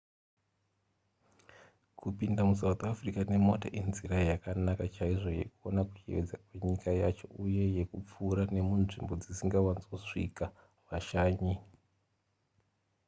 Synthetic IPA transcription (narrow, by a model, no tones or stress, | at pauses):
kupindamus̬aut̪ʰafrikane̞mo̞ta̰ʔenziɾajakanakat͡ʃaiʐo̞je̞̰kuonaku̥t͡ʃḭʋed͡zakwe̞ɲikajat͡ʃo̞̰ʔuje̞je̞kup͡fuːɾane̞munʐimbo̞d͡zisiŋɡawanzuʂḭka | ʋaʃaːɲi